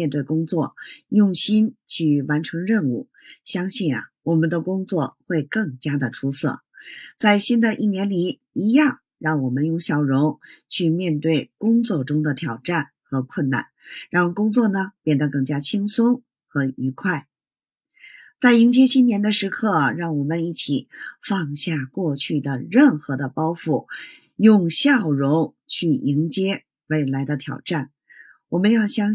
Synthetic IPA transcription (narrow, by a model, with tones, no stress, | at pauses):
mjɛ˥˧nt̪we˥˩ɪkʊ˥ŋt͡swɔ˥˩jʊ˥˩ŋɕi˥nt͡ɕʰy˥˩wa˧˥nʈ͡ʂʰɤ˧˥ŋɻə˥˧nu˥˩ | ɕjɑ˥ŋɕi˥˩nɐ̰˩wɔ˨˩mə˦nd̪ə˧kʊ˥ŋt͡swɔ˥˧xwe˥˧ɪkɤ˥˩ŋt͡ɕja˥d̪ə˨ʈ͡ʂʰu˥sɤ̰˥˩t͡sa˥˩ɪɕi˥nd̪ə˨ʔi˥˩njɛ˧˥nli˧˥ | i˧˥jɑ˥˩ŋ | ɻɑ˥˩ŋwɔ˨˩mə˦njʊ˥˩ŋɕjɑ˨˩ʊɻʊ˧˥ŋt͡ɕʰy˥˧mjɛ˥˧nt̪we˥˩ɪkʊ˥ŋt͡swɔ˥˩ʈ͡ʂʊ˥ŋd̪ə˨t̪ʰjɑ˨˩ʊʈ͡ʂa˥˩n | xɤ˧˥kʰwə˥˧nna̰˥˩nɻɑ˥˩ŋkʊ˥ŋt͡swɔ˥˩nə˩pjɛ˥˩nd̪ə˩kɤ˥˩ŋt͡ɕja˥t͡ɕʰi˥ŋsʊ˥ŋ | xɤ˧˥i˧˥kʰwa˥˩ɪ | t͡sa˥˩ɪi˧˥ŋt͡ɕjɛ˥t͡ɕʰi˥njɛ˧˥nd̪ə˧ʂɻ̩˧˥kʰɤ˥˩ɻɑ˥˩ŋwɔ˨˩mə˦ni˥˩t͡ɕʰi˨˩fɑ˥˧ŋɕja˥˧kwɔ˥˧t͡ɕʰy˥˩d̪ə˩ɻə˥˩nxɤ˧˥d̪ə˧pɑ˥ʊfu˥˩ | jʊ˥˧ŋɕjɑ˥˩ʊɻʊ˧˥ŋt͡ɕʰy˥˩i˧˥ŋt͡ɕjɛ˥ | we˥˩ɪla˧˥ɪd̪ə˧t̪ʰjɑ̰˨˩ʊʈ͡ʂa˥˩n | wɔ˨˩mə˧˦njɑ˥˩ʊɕjɑ˥ŋ